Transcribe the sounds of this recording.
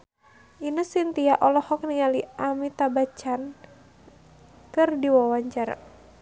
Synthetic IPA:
ʔinəsint̪ijaʔɔlɔhɔk̚niŋaliʔamit̪abat͡ʃan | kɨrdiwɔwaɲt͡ʃar̰

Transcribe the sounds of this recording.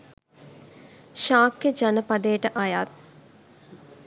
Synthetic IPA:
ʃaːkjəd͡ʒanəpad̪ejʈəʔajat̪̚

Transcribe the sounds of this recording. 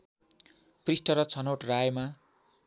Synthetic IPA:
prisʈʌɾʌt͡sʰʌnoʈrajma

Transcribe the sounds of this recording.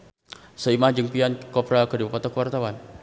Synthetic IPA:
səimahd͡ʒəŋpiankɔpɾakədibupat̪akəwart̪awan

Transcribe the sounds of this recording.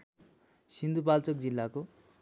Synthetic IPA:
sind̪upalt͡sʌk̚d͡zilːako

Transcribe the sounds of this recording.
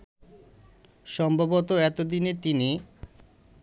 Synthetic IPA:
ʃɔmbʱabot̪oɛt̪od̪inet̪ini

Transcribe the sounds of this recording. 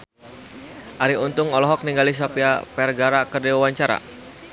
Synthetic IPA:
ʔaɾiunt̪ʊŋɔlɔɦɔk̚niŋɡalis̬ɔpiapɛrɡaɾakərdiwawaɲt͡ʃaɾa̰

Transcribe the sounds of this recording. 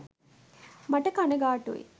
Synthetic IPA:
mɐʈəkɐnɐɡaːʈṵḛ

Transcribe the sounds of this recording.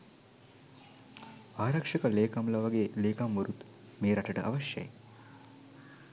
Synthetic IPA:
aːɾɐkʂɐkəleːkamlaʋɐɡeːleːkamʋəɾut̪ | meːɾɐʈəʈəʔa̰ʋɐʃjɐ̰jḛ

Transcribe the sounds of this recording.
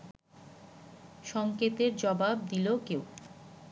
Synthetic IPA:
ʃɔŋket̪eɾd͡ʑɔbab̚d̪ilokeo

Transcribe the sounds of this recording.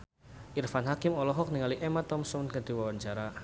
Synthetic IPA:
ʔirfanɦakɪmɔlɔɦɔk̚niŋaliʔemat̪ɔmsɔnkəd̪̥i̤wawaɲt͡ʃaɾa

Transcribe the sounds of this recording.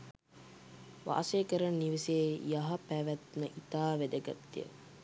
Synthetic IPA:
ʋa̰ʔseːkəɾanniʋeseːjaɦɐpæʋæt̪məʔit̪aːʋed̪əɡa̰t̪ːijə̰

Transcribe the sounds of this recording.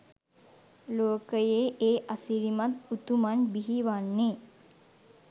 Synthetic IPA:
loːkəjeʔeːʔasiɾimat̪ut̪umanbiɦiʋanːe

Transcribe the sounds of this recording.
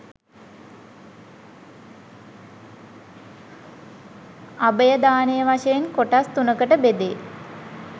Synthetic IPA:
abəjəd̪aːnəjəʋaʃejenkoʈast̪unəkəʈəbed̪e

